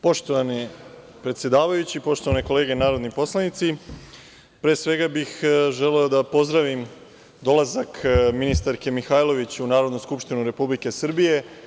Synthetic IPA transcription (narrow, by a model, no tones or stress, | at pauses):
po̞ʃt̪oʋani | pɾet̪sje̞d̪aːʋajut͡ɕipo̞ʃt̪o̞ʋaneko̞le̞ːɡe̞naːɾo̞d̪nipo̞slˠanit̪si | pɾe̞ːsʋe̞ɡabixʒe̞leod̪apo̞zd̪ɾaʋim | d̪o̞lazakminist̪aɾke̞mixajlo̞ʋit͡ɕunaːɾo̞d̪nuskupʃt̪inuɾe̞publike̞sr̩bije̞